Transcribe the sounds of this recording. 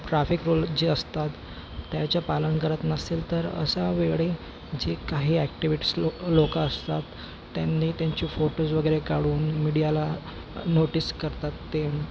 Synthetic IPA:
ʈɾafikɾuld͡ʑiːəst̪at̪ː | jat͡ɕjapalənkəɾət̪nəsiːlt̪əɾə̰saʋeɭe | d͡ʑekaɦiːæk̚ʈiʋiʈislokaəst̪at̪ː | janːiːt̪jaɲt͡ɕiːfoʈosʋəɡəɾekaɽuːnmiɽijala | noʈiskəɾt̪at̪ːe

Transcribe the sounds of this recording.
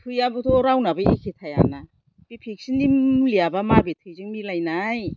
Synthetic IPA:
tʰujabutʰɔɾawnabaikʰitʰaja̰na | b̥ipʰik̚sinimlijabamabetʰɯjzɯŋmilajnaj

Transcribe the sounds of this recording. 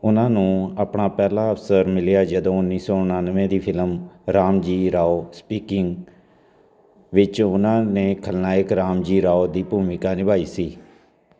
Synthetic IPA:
ʊnãːnũːaːpɳaːpɛːlãːəpʰsəɾmɪljaːd͡ʒəd̪õːʊnːiːsɔːʊnaːnʋẽːd̪iːpʰɪləmɾaːmd͡ʒiːɾaːoːspiːkɪŋɡ | ʋɪt͡ʃʊnãːneːkʰəlnaːɪkɾaːmd͡ʒiːɾaːoːd̪iːpuːmɪkaːnɪbʱaːiːsiː

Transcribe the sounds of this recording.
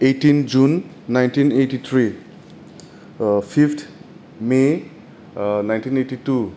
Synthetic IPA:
etind͡ʒunː | ajntinetit̪ʰɾi | pʰiptʰ | me | najntʰinetitu

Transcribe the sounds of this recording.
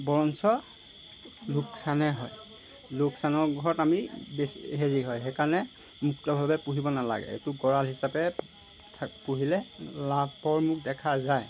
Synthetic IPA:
bɔɹɔnsɔ | luksanɛɦɔj | luksanɔɹɡʱɔɹɔtamibesɦeɹiɦɔjɦekaɹɔnɛ | muk̚tɔbʱabɛpuɦibɔnala̰ɡɛ̰ḛtuɡɔɹalɦisapɛ | tʰpuɦilɛlapɔɹmuk̚dɛkʰazaj

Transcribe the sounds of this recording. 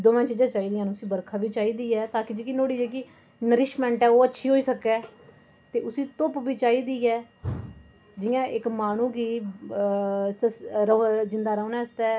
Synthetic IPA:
d̪oːʋãːt͡ʃiːd͡ʒãːt͡ʃaːiːd̪ɪjãːnũːʊsĩːbəɾkʰaːʋiːt͡ʃaːiːd̪iːɛːt̪aːkid͡ʒiːkinoːɽiːd͡ʒeːk̬iː | nəɾɪʃmɛ̃ːɳʈɛːoːətːʃʰiːɦoːiːsəkːɛː | t̪eːʔʊsĩːt̪ʊpʋiːt͡ʃaːiːd̪iːɛː | d͡ʒɪjãːʔɪkmaːnũːɡiː | səsɾəd͡ʒɪnd̪aːɾəːnɛːəst̪ɛː

